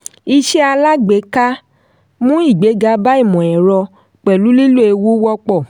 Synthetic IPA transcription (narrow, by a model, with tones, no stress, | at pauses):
i˧ʃɛ˦a˧la˦ɡ͡be˨˦ka˦ | mũ˦i˦˨ɡ͡be˨˦ɡa˧ba˦i˦˨mɔ̃˨ɛ˨ɾɔ˧ | k͡pɛ˨lu˨˦li˦lo˦e˧wu˦wɔ˦k͡pɔ˦˨